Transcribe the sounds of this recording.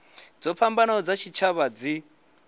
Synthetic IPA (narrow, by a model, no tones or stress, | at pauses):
d͡zɔpʰambanɔd͡zat͡ʃʰit͡ʃʰaβad͡zi